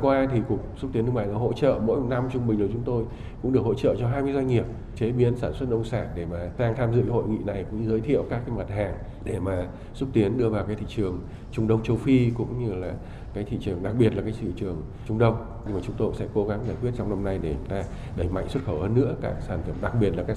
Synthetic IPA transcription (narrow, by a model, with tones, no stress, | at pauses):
kwaː˧t̪ʰi˨˩kək̚sʊ˦˥t̪i˨˦nɨ˧ma̰ː˧˨laː˧˩ɦo̰˧˥t͡ɕə̰ː˧˨mo̰˧˥jm˨˩na˧mt͡ɕʊ˧ŋ͡mɓï˨˩ŋ̟lt͡ɕʊ˨˦ŋ͡mt̪o˧j | kʊ̰˧˥ŋ͡mɗəkho̰˧˥t͡ɕə̰ː˧˨t͡ɕɔ˧ɦaː˧jmɨ˧jzwa˧ŋŋi˨˩əp̚ | t͡ɕe˨˦ɓi˨˦ənsaː˧˩nswə˦˥t̚ʔə˧wŋ͡msaː˧˩nɗe˧˩maː˨˩taː˧ŋt̪ʰaː˧mzɨ̰˧˨kho̰˧˨jŋḭ˧˨na˨˩jkʊ̰˧˥ŋ͡mɲɨ˧zəː˨˦jt̪ʰḭ˧˨əwkaː˦˥k̚ːaː˨˦jma˨˩t̚haː˨˩ŋ | ɗe˧˩maː˨˩ | sʊ˦˥k͡p̚t̪i˨˦ənɗɨ˧əvaː˨˩wkaː˨˦jt̪ʰḭ˧˨t͡ɕɨ˨˩əŋ | t͡ɕʊ˧ŋ͡mɗə˧wŋ͡mt͡ɕə˧wfi˧kʊ̰˧˥ŋ͡mɲɨ˧laː˨˩ | kaː˨˦jt̪ʰḭ˧˨t͡ɕɨ˨˩əŋɗa˨˩k̚ɓi˨˩ətlaː˨˩kaː˨˦jsɨ̰˧˨t͡ɕɨ˨˩əŋ | t͡ɕʊ˧ŋ͡mɗə˧wŋ͡m | ɲɨ˧ŋmaː˨˩t͡ɕʊ˨˦ŋ͡mt̪o˧sɛ̰˧˥ko˨˦ɣa˨˦ŋzaː˨˩jkwət̚t͡ɕɔ˧wŋ͡mna˧mna˧jɗe˧˩ʊ˨˦ŋ͡mt̪aː˧ | ɗə˧˩jma̰˧˨jŋ̟swə˦˥t̚xə˧˩whəː˧nːɨ̰˧˥əka̰ː˦˥k̚saː˧˩nfə˧˩mɗa˨˩k̚ɓi˨˩ət̚laː˨˩kaː˦˥